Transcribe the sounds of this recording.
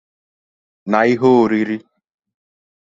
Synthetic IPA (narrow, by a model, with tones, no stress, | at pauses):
na˨i˦ɦo˦o˦ɾi˦ɾi˦